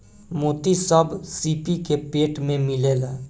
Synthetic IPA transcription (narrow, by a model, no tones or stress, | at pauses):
moːt̪isəbʱsiːpikepeːʈmẽmɪleːlɛ